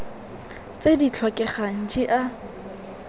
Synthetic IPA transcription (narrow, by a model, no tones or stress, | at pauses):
t͡sedit͡ɬʰwɔkʼɛχaŋ̩d͡ʒiʔa